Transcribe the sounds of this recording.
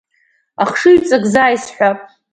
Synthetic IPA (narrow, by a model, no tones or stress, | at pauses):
aχʂɨɥt͡sʼaɡzaːjsħʷᶣa